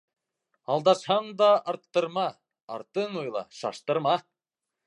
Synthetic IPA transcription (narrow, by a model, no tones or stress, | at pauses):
ɑlˠd̪ɑʃhɑnd̪ɑɑɾt̪ːɤ̆ɾmɑ | ɑ̰ɾt̪ənojlˠɑ̰ʃɑ̰ʃt̪ɤɾmɑ